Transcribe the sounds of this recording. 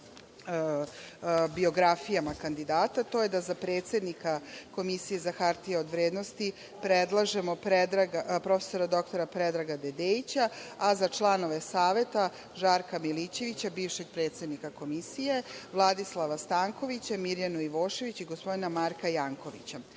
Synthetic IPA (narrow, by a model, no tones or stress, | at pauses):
bio̞ɡɾafijamakand̪id̪aːt̪at̪o̞jed̪azapɾeːt̪se̞d̪nikako̞misije̞zaxaɾt̪ijeod̪ʋɾeːd̪nost̪i | pɾed̪lˠaʒemo̞pɾed̪ɾaɡapɾo̞feso̞ɾad̪o̞kt̪o̞ɾapɾed̪ɾaɡad̪ed̪eːit͡ɕaːzat͡ʃlˠano̞ʋe̞saːʋe̞t̪a | ʒaɾkamilit͡ɕe̞ʋit͡ɕabiːʋʃe̞ɡ̚pɾe̞ːt̪sed̪nikako̞misije̞ʋlˠad̪islˠaʋast̪aːŋko̞ʋit͡ɕamiɾjanuiʋoːʃe̞ʋit͡ɕiɡospo̞d̪inamaɾkajaːŋko̞ʋḭt͡ɕa